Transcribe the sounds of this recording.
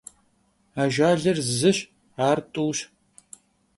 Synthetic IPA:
aːʒʷaːɮɐrzɨɕ | aːrtʼuwɕ

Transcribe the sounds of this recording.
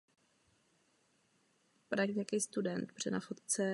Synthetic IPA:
pɾakɲakiːst̪udɛnt̪br̥ɛ̰nafot̪t͡sɛ

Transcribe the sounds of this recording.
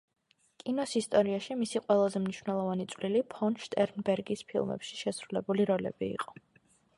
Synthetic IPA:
kʼinɔsist̪ʼɔɾiaʃimisiqʼwɛlˠazɛmniʃvnɛlˠɔvanit̪sʼvlilipʰɔnʃt̪ʼɛɾnbɛɾɡispʰḭlˠmɛ̰pʃi̥ʃɛsɾulɛbuliɾɔlɛ̰bḭːqʼɔ̥

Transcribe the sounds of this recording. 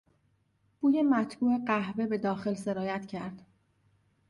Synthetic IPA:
b̥uːje̞mæt̪ʰbuːʔe̞ɢæhve̞be̞d̪ɒːxe̞lse̞ɾɒːjæt̪cʰæɾd̪̥

